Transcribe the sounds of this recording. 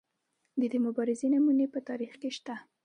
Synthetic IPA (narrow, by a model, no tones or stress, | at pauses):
d̪əd̪əmʊbɑɾɪzenamunepət̪ɑɾixkeʃt̪a